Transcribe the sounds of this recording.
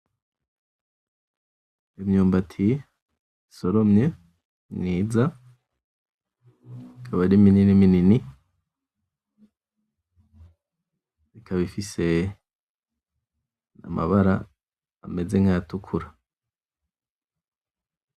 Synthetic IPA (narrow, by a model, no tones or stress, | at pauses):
imɲuːmbatʰi | isoɾo̞mɲe | ŋiːza | ikʰaβaɾimininiminini | ikʰaβifise̞ | a̰mʔa̰βaɾaː | me̞ze̞ŋ̥ajatukʰuɾa